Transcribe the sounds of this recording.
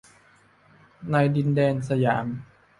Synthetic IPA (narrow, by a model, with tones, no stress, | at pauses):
na˧jdi˧ndɛː˧nsa˧jaː˩˦m